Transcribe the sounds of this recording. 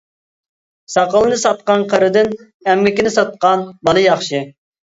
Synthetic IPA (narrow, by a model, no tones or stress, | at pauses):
sɑqəlˠɨnɨsɑt̪̚qɑnqʰəɾɨd̪ɪn | ɛmːɪkʲinɪsɑt̪̚qɑnbɑlˠɨjɑχʃɪ